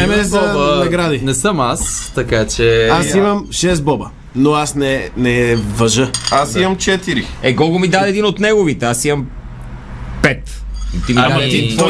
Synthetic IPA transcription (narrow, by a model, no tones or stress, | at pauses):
ɛbɔnɐɡɾad̪inɛsəmast̪ɐkat͡ʃɛasimɐmʃɛst̪̚bɔbə | noasnɛnɛvɐʒəasimɐmt͡ʃɛt̪iɾiɛɡɔɡomid̪ad̪ɛːd̪inot̪nɛɡovit̪ɛasimɐm | pɛt̪ | t̪imiaɛd̪int̪vɔ